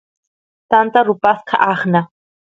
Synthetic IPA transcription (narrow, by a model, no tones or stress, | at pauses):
t̪ant̪aɾupaskʰa̰ʔaχna